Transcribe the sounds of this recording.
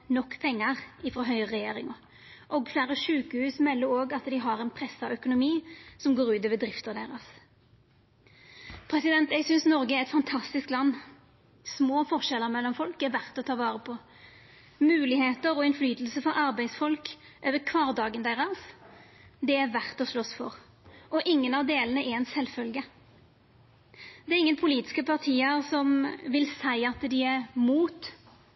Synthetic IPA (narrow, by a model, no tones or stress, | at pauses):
nɔkːpʰɛŋːɑʁɪfɾɔɦœʏəʁɛjeːɾɪŋɔ | ʔɔɡflæːɾəʃʉːkəhʉːsmɛlːəɾoːɡɑt̪d̪ɪɦɑɾɛnpʰɾɛsːɑœkʊnʊmiːsɔmɡoːɾʉːt̪ɔʋəd̪ɾɪft̪əʁd̪eːʁɑs | pʰɾɛsɪd̪ɛnt̪ɛɡsʏnsnɔɾɡəæɾɛt̪fɑnt̪ʰɑst̪ɪsklɑnː | smoːfɔʁʃɛlːəɾmɛlːɔmfɔlkæɾʋæʁt̪ɔt̪ʰɑːʋɑːɾəpʰɔ | mʉːlɪheːt̪əɾɔɪnflyːt̪əl̩səfɔɾɑɾbæɪd̪sfɔlk | ʔøːʋəɾkʰʋɑːʁd̪ɑːɡənd̪æɪʁɑs | d̪ɛæɾʋæʁt̪ɔslɔsfɔʁ | ʔɔʔɪŋːənɑʋd̪eːlənəʔɛɛnsɛlːfœlɡə | d̪̥ɛæɾɪŋːənpʰʊliːt̪ɪ̥skəpʰɑʁt̪ʰiːəɾsɔmʋɪlsæɪɑt̪d̪ɪæɾmuːt̪